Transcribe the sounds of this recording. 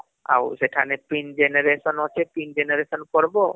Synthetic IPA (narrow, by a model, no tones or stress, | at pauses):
a̰wseʈʰanepind͡ʒeneɾesɔnɔt͡ʃʰepind͡ʒeneɾesɔnkɔɾbo